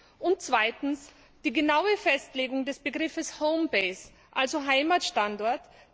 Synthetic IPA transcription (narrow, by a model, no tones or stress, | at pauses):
ʔʊnt̚t͡sv̥aɪtn̩s | d̥iːɡənaʊəfɛstleːɡʊŋdɛsb̥əɡʁɪfəshoʊmbeɪs | ʔalzoɦaɪmatʃtandɔɐt